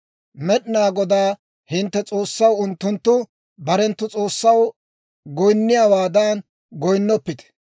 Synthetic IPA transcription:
mɛɗnaːɡɔd̪aː | hɪnt̪ːɛt͡sʼo̞ːsːɐwʊnt̪ːʊnt̪ːʊ | bɐɾɛnt̪ːʊt͡sʼo̞ːsːɐw | ɡɔjnːɪjaːwaːd̪an | ɡɔjnːɔpːɪt̪ɛ̥

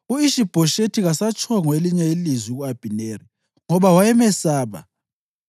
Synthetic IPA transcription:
uiʃib̥ʱɔʃetʰiɣasat͡ʃʼʰɔŋweliɲɛilizwiɣuab̥ʱineri | ŋɔβawajɛmɛsaːβa̰

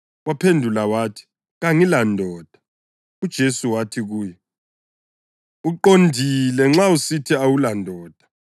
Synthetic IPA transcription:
wapʰendʱulawaːtʰi̥ | ɣaŋilandʱɔːd̥ʱḁ | ud̥ʒ̥ʱesuwatʰiɣuːjɛ | uǃondʱilɛŋ͡ǁausitʰiawulandʱɔːd̥ʱḁ

